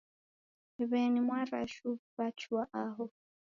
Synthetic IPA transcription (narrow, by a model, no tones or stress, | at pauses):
ɛβɛnimwaɾa̰ʃuβat͡ʃʰuwaʔaɦɔ